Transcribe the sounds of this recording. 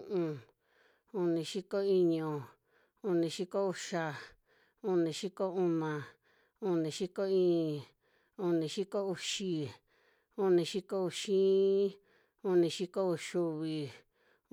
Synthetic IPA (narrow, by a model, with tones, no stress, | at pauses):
ʔũ˧ | u˧nĩ˧˨ʃi˦ko˦i˧ɲõ˧˨ | u˧nĩ˧ʃi˦ko˦u˧ʃa˧ | u˧nĩ˨ʃi˦ko˦ũ˧nã˧ | u˧nĩ˨˧ʃi˦ko˦ĩː˦˧˨ | u˧nĩ˧ʃi˦ko˦u˧ʃi˧ | u˦nĩ˧ʃi˦ko˦u˧ʃĩ˦ | u˧nĩ˧ʃi˦ko˦u˧ʃu˧βi˧